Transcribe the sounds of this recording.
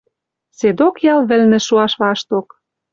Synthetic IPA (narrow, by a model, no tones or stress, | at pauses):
sed̪okjɑlˠβɘ̆lnɘ̆ʃuɑʃβɑʃt̪ok